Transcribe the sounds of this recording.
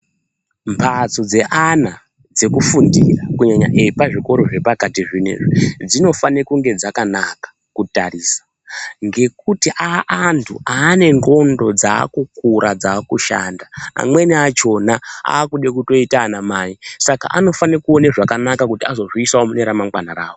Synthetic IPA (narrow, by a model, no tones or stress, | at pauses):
mpʰat͡sod͡ze̞ʔana | d͡ze̞kufundirakuɲaɲa̰ʔeipaʐiko̞ɾo̞ʐe̞pakatiʐinḛʐid͡zino̞fanekuŋɡe̞d͡zakanakḁ | kutariːsḁ | ŋɡe̞k̚utiʔaʔantʰuaːne̞ŋɡo̞ndo̞d͡za̰ːkukuɾad͡zaːkuʃa̰ndaa̰mwe̞niat͡ʃo̞naa̰ːkuɗekuto̞itaːnamaisaka̰ʔano̞fanekuo̞neʐakanakakutiazo̞ʐiisawomuneɾamaŋɡwanaɾa̰ːwo